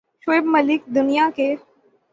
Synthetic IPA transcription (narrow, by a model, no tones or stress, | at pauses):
ʃeːbmɐlɪk̚d̪ʊnijake